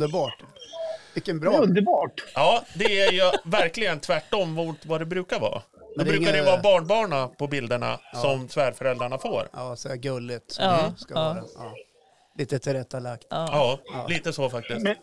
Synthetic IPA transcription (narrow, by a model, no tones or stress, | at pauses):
d̪əbɑːʈ | vɪkːənbɾɵnd̪əɾbɑːʈɑːd̪ɛæɾjɯvæɾklɪɡənt̪ʰvæʈːɔmːvvad̪ɛbɾʉ̟ːkaɾvɑ̰ː | d̪ɔdbɾʉ̟ːkaɾɛjəvɑːbɑːɳbɑːɳapʰɔbɪld̪əɳa̰sɔmsvæːɾfœɾɛld̪ɾaɳafo̰ːɾsæɡɵlːɪt̪sɔmskaːɾa | liːt̪ət̪ʰɪɾɛt̪ːalakt̪ːɑːliːt̪əsɔfak̚t̪ɪsk